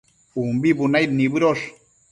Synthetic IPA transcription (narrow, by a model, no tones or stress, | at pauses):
umbibunajɾnibɨɾoʂ